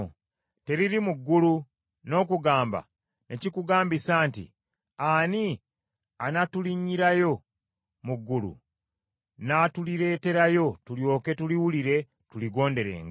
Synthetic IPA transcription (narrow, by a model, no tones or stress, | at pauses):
te̞ɾiɾimuɡːulu | no̞ːkuɡaːmba̰ | ne̞cikuɡaːmbisaːntḭ | ani | anatuliɲːiɾajo̞ | muɡːulṵ | naːtuliɾe̞ːte̞ɾajo̞tuljo̞ːke̞tuliwuliɾe̞ | tuliɡo̞ːnde̞ɾḛːŋɡ